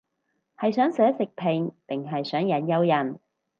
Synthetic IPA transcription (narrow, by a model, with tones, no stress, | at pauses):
hɐ˨jsœː˨˥ŋsœː˨˥sɪ˨k̚pʰɪ˨ŋpɪ˨ŋɦɐ˨jsœː˨˥ŋjɐ˨˥njɐ˧wjɐ˨˩n